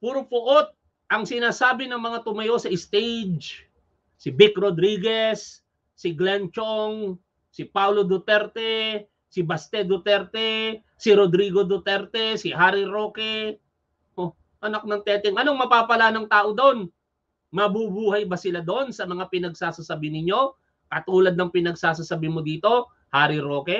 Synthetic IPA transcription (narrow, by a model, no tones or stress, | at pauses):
puɾʊpʊʔot̪̚ | ʔɐŋsɪnaːsaːbɪnɐŋmɐŋat̪ʊmɐjo̞sɐʔɪst̪ejd͡ʒ | sɪbikɾod̪ɾiːɡɛsː | ɪɡlɛnt͡ʃoŋ | sɪpawlod̪ʊt̪ɛɾt̪ɛ | sɪbɐst̪ɛd̪ʊt̪ɛɾt̪ɛ | sɪɾod̪ɾiɡod̪ʊt̪ɛɾt̪ɛsɪhaːɾɪɾo̞ːkɛ | ʔo | ʔɐnak̚nɐŋt̪ɛːt̪ɛŋʔɐnoŋmɐpaːpɐlanɐŋt̪aːʔo̞d̪on | mɐbubuːhɐjbɐsɪlad̪oʔonsɐmɐŋapɪnɐɡ̚saːsasɐbɪnɪɲo̞ | kɐt̪uːlɐd̪̚nɐŋpɪnɐɡsaːsasabimod̪iːt̪o̞ | haːɾɪɾoːkɛ